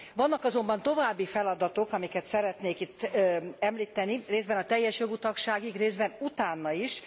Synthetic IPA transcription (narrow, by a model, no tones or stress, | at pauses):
ʋɒnːɒkɒzo̞mbɒnt̪o̞vaːbːifɛlɒd̪ɒt̪o̞kɒmikɛt̪sɛɾɛt̪neːkit̪ːɛmliːt̪ːɛnireːzd̪bɛnɒt̪ɛjːɛʃjo̞ɡut̪ɒkʃaːɡiɡreːzbɛnut̪aːnːɒiʃ